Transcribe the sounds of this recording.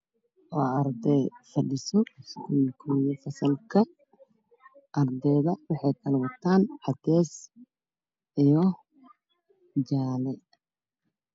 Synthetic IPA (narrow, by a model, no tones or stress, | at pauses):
ʔɔːɐɾd̪ɛjfɐɖɪsɔsɡʰukʰɔːjɐfɐsɐlkʰɐ | ʔɐrd̪ɛːðɐwɑħɑjt̪ʰɐlwɐt̪ʰaːnħɑt̪ʰɛːs | ijɔ | d͡ʒaːlɛ